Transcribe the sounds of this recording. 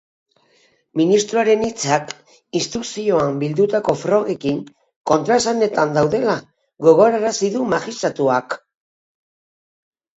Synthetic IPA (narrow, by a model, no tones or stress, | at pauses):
minist̪ɾuaɾe̞nit͡sak | ist̪usio̞ambild̪ut̪ako̞fɾo̞ɣe̞kiŋ | ko̞nt̪ɾaesane̞t̪and̪awðe̞la | ɡo̞ɣo̞ɾaɾasiðumaxist̪ɾat̪uak